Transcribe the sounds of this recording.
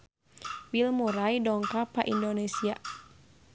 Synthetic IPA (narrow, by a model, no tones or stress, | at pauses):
wilmuɾajdɔŋkapaʔindonesia